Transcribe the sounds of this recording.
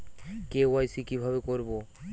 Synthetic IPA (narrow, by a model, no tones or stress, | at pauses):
kewajsikibʱaβekoɾbo